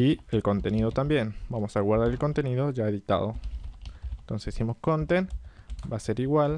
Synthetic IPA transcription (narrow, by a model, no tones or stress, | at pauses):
ielko̞nt̪e̞nið̞ot̪ambje̞nbamo̞saɣwaɾð̞aɾe̞lko̞nt̪eniðo̞ʒaeðit̪a̰ð̞o̞ | ent̪o̞nsesːemoskont̪enbase̞ɾiɣwal